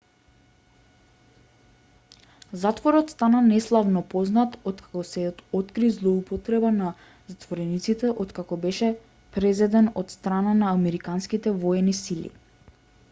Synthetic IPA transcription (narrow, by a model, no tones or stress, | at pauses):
zat̪vɔɾɔt̪st̪ananɛslˠavnɔpɔznat̪ɔt̪kʰḁkɔsɛɔt̪kɾizlˠɔupɔt̪ɾɛbana | zat̪vɔɾɛnit̪sit̪ɛʔɔt̪kakɔbɛʃɛ | pɾɛzɛd̪ɛnɔt̪st̪ɾananaːmɛɾikanskit̪ɛvɔɛnisilḭ